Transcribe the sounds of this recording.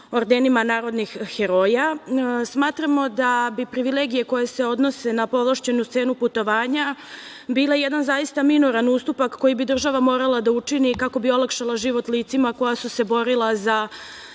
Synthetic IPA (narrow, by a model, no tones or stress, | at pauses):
oɾd̪enimanaːɾo̞d̪nixːeɾo̞jasmaːt̪ɾamo̞d̪abipɾiʋile̞ːɡije̞ko̞jese̞o̞d̪no̞se̞napo̞lˠaʃt͡ɕe̞nust̪se̞ːnuput̪o̞ʋaːɲa | biːlajed̪anzajist̪aminoɾanust̪upakːo̞jibid̪r̩ʒaʋamo̞ːɾalˠad̪aut͡ʂinikako̞bio̞lˠakʃalˠaʒiʋo̞t̪liːt̪simako̞jasuse̞bo̞ɾilˠaza